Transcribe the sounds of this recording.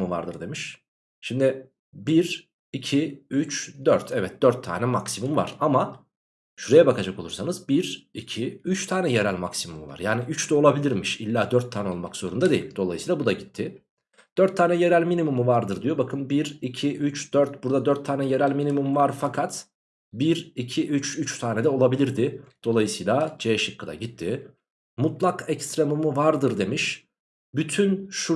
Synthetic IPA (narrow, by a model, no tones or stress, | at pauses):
muva̰ɾd̪ɯɾd̪e̞miʃ | ʃimd̪ɪ | biɾ | icʰiyt͡ʃd̪øɾt̪ʰɛvɛt̪̚d̪̥øɾt̪ʰːa̰ːnɛmaksimumva̰ɾ̥ama | ʃyɾejɛbakʰad͡ʒako̞lˠuɾsanɯzbiɾicʰiyt͡ʃt̪ʰaːnɛje̞ɾælʲmaksimumuva̰ɾjaːniyt͡ʃd̪ɛolˠabilʲiɾmiʃilʲːaːd̪øɾt̪ʰːaːnɛo̞lˠmakz̥o̞ɾund̪ad̪e̞jḭlʲd̪o̞lˠa̰jɯsiːlˠabud̪aɟit̪ʰːɪ | d̪̥øɾt̪ʰːaːnɛje̞ɾælʲminimumuvaɾd̪ɯɾd̪ijo̞bakʰɯnbiɾicʰiʔyt͡ʃd̪̥øɾt̪buɾd̪ad̪øɾt̪ʰːaːnɛje̞ɾælʲminimumvaɾfakʰat̪ | biɾicʰiʔyt͡ʃyt͡ʃt̪ʰaːnɛd̪ɛo̞lˠabilʲiɾd̪ɪd̪̥o̞lˠajɯsɯjlˠad͡ʒeʃɯkːɯd̪a̰ɟit̪ʰːɪ | mut̪lˠakɛcst̪ɾemumuvaɾd̪ɯɾd̪e̞miʃ | byt̪ʰynʃu